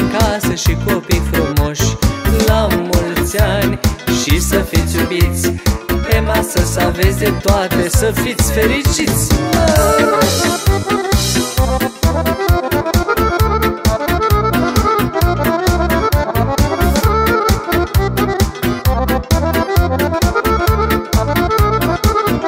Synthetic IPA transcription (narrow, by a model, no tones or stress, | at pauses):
kasəʃikopijfɾomoʃɨlamult̪sanʲʃisəfit̪sʲjubit̪sʲpemasəsavesʲd̪et̪oat̪e̞səfit̪sʲfe̞ɾit͡ʃit̪sʲ